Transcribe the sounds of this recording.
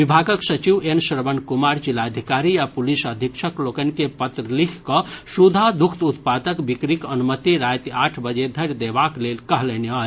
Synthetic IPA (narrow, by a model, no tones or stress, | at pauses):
ʋibʱaɡəksət͡ʃiʋensɾəbənkumaɾd͡ʒilaəd̪ʱikaɾiapulisəd̪ʱikʃʰəklokənkepət̪ɾəlikʰkəsud̪ʱad̪ukʰt̪ut̪pad̪əkbikɾikənumət̪iɾat̪aːʈʰbəd͡ʒed̪ʱəɾjd̪ebaklelkəɦlenea